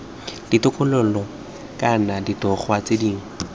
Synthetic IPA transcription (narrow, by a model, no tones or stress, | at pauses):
d̥itʊkʼʊlʊlɔ | kʼanaditɔχwat͡sediːŋ̩